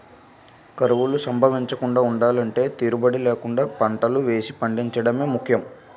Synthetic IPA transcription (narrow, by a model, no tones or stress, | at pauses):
kɐɾuʋulusɐmbʱɐʋiɲt͡ʃɐkuɳɖaːuɳɖaːlɐɳʈe̞ːt̪iːɾubɐɽileːkuɳɖaːpɐɳʈɐluʋe̞ːsipɐɳɖiɲt͡ʃɐɽɐme̞ːmukʰjɐm